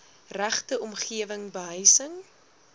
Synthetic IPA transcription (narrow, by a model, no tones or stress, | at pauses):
ræχtəɔmχiəvəŋbəɦəjsəŋ